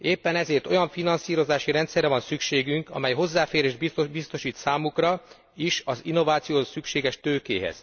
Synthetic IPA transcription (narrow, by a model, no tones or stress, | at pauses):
eːpːɛnɛzeːrt̪ojɒɱfinɒnsiːɾo̞zaːʃiɾɛnt̪sɛrːɛvɒnsykʃeːɡyŋkɒ̰mɛjɦo̞zːaːfeːɾeːʒd̪ibist̪o̞ʃiːt̪saːmukrɒ | iʃɒzinːo̞vaːt̪sijoːsykʃeːɡɛʃt̪øːkḛːɦɛ̰z̥